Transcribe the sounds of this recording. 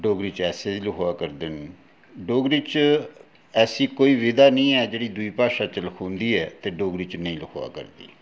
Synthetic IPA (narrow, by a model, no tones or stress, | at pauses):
ɖoːɡɾiːt͡ʃɛːseːiləkʰoaːkəɾd̪ɪn | ɖoːɡɾiːt͡ʃ | ɛːsiːkoːiːʋɪd̪aːnəĩːɛːd͡ʒeːɽiːd̪ʊiːpaːʃaːt͡ʃələkʰõːnd̪iːɛːt̪eːɖoːɡɾiːt͡ʃnəĩːləkʰoːa̰ːkə̰ɾd̪ḭː